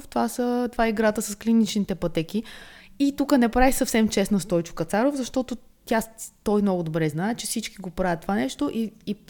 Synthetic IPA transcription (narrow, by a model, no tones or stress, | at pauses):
ft̪ovasət̪ovaɛiɡɾat̪əsɐsklinit͡ʃnit̪ɛpɐt̪ɛkiit̪ukənɛpɾavisɐfsɛmt͡ʃɛsnəst̪ɔjt͡ʃʊ̥kɐt̪saɾovzɐʃt̪ɔt̪o | t̪ʲjat̪ɔjmnɔɡʊd̪obɾɛznaɛt͡ʃɛfsit͡ʃkiɡopɾavət̪ːovanɛʃt̪oʔii